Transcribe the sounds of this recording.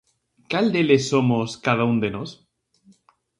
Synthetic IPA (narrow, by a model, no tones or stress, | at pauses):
kald̪elesomoskaðaund̪enos